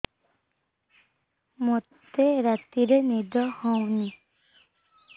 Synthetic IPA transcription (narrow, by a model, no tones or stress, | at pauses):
mot̪eɾat̪iɾenid̪ɔhɔwni